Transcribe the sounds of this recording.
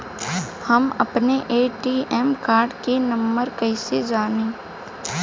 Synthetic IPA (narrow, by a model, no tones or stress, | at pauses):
hɐmɐpneʔeːʈiːʔɛːmkaːɾɖkenɐ̃mbəɾkɐɪsed͡ʒaːnẽː